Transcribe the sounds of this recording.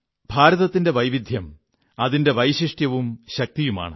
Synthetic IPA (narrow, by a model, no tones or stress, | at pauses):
bʱaːɾɐðɐt̪ːinde̞ʋɐjʋid̪ʱjɐm | ɐðinde̞ʋɐjɕiʂʈjɐʋumɕɐk̚t̪ijuma̰ːɳɨ